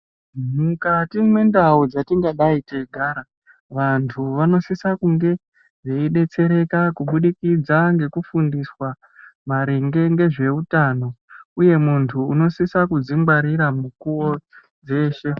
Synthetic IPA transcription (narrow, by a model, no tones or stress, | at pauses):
mukatimwe̞ndaud͡zatiŋɡaɗaiteɡʱaːɾa | ʋantʰuʋano̞sisakuŋɡe̞ | ʐeiɗe̞t͡se̞ɾe̞kakuɓuɗikid͡zaŋɡe̞kufundiswa | maɾeŋɡe̞ŋɡe̞ʐe̞utano̞uje̞muntʰuːno̞sisakud͡zimɡwaɾiɾamukuo | d͡ze̞ːʃe̞